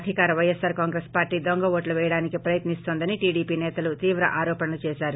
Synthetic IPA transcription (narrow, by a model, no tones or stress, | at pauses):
ɐd̪ʱikaːɾɐʋɐjesaːɾkaːŋɡɾespaːɾʈiːd̪oŋɡɐʋoːʈluʋɛjɐɽaːnikipɾɐjɐt̪nist̪oːnd̪ɐniʈiːɽiːpiːnɛːt̪ɐlut̪iːʋɾɐʔaːɾɔːpɐnɐlut͡ʃɛːʃaːɾu